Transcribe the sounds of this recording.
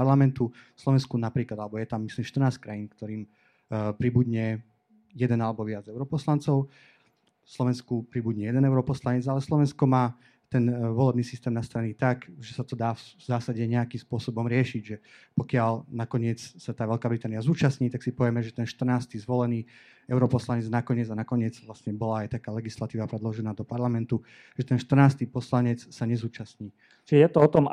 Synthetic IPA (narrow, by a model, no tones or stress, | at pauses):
aɾlamɛnt̪uslɔʋɛnskunapɾiːklad̪alɛbɔjɛt̪amːislimʃt̪ər̩naːskɾajinkt̪ɔɾiːm | pɾibud̪ɲɛ | jɛd̪ɛnalɛbɔʋɪad͡zɛʊɾɔpɔslant͡sɔʊ | slɔʋɛnskupɾibuɟɲɛjɛd̪ɛnɛʊɾɔpɔslaɲɛd͡zalɛslˠɔʋɛnskɔmaː | t̪ɛnʋɔlɛbniːsist̪ɛːmnast̪aɾɛnit̪akʒɛsat̪ɔd̪aːzaːsaɟɛɲɛakimspʊɔsɔbɔmɾɪɛʃiɟʒɛpɔkɪalnakɔɲɪɛt͡ssat̪aːʋɛlkaːbɾit̪aːnijazuːt͡ʃasɲiːt̪aksipɔʋjɛmɛʒɛt̪ɛnʃt̪rnaːst̪iːzʋɔlɛniː | ɛʊɾɔpɔslaɲɛd͡znakɔɲɪɛd͡zanakɔɲɪɛd͡zʋlastɲɛbɔlaːjt̪akaːlɛɡislat̪iːʋapɾɛd̪lɔʒɛnaːd̪ɔpaɾlamɛnt̪u | ʒɛt̪ɛnʃt̪r̩naːst̪iːpɔslaɲɛt͡ssaɲɛzuːt͡ʃasɲiː | t͡ʃijɛt̪ɔɔt̪ɔm